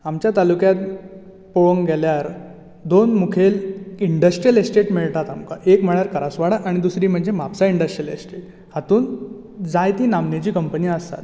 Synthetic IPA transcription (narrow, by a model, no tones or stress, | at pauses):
amt͡ɕjat̪alukjat̪̚ | poʋəŋɡʱɛljaɾ | d̪onmukʰeliɳɖəsʈɾijəlesʈeʈmiɭt̪at̪amkaʔekm̤əɭaɾkəɾasʋaɽaʔaɽ̃id̪usɾiːm̤əɳd͡zemapsaiɳɖəsʈɾijəlesʈeʈ | hat̪uːn | d͡zajt̪iːnamnat͡ɕiːkəmpəniːəst̪a̰t̪